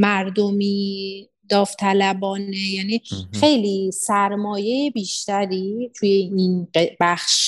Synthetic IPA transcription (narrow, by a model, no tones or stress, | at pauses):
mæɾd̪omiː | d̪̥ɒːft̪ʰælæbɒːnejæːnixe̞jlisæɾmɒːje̞jebiːʃt̪æɾiːt̪ʰujeinɢebæxʃ